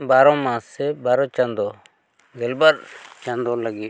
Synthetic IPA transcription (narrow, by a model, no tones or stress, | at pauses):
baɾɔ̃mãsɛbaɾɔ̃t͡ʃãnd̪ɔ | ɡɛlbaɾt͡ʃãnd̪ɔlaɡi